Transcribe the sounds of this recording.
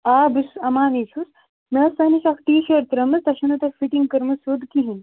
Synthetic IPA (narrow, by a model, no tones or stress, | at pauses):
aːbɨsɐmaːnit͡ʃʰus | mesɐniʃakʈiːʃəɾt̪ɾɐmɨst̪ɐʃɐnut̪efiʈiŋɡkɐɾmɨsoːd̪kiɦin